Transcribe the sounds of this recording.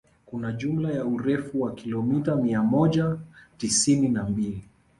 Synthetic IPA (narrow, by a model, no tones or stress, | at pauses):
kunaʄumlajauɾɛfuwakilɔmitamiamɔʄatisininambili